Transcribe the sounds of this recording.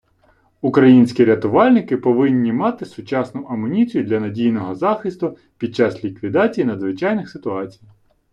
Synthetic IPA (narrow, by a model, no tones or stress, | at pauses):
ukɾɐjinʲsʲkʲiɾʲɐt̪ʊʋɑlʲnɪkɪpɔʋɪnʲːimɑt̪ɪsʊt͡ʃɑsnʊʔɐmʊnʲit͡sʲijʊd̪lʲɐnɐdʲijnɔɦɔzɑxɪst̪ʊ | pʲid̪̚t͡ʃɑslʲikʋʲid̪ɑt͡sʲijinɐd̪zʋɪt͡ʃɑjnɪxsɪt̪ʊɑt͡sʲij